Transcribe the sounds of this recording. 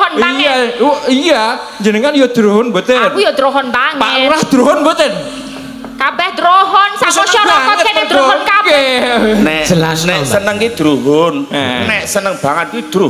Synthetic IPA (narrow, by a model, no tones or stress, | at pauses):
ɦɔnpijaija | ɲd͡ʒənəŋanjod̪̥ɾuɦʊnbot̪enjɔd̪ɾoɦɔnpaŋpalahd̪̥ɾoɦɔnbot̪ɪn | kabɛhd̪ɾoɦɔnsaɔɔɾɔɔed̪ɾoɔnkabk | nɛnɛsənəŋkid̪̥ɾuɦʊnnɛʔsənəŋb̥aŋət̪̚jud̪̥ɾu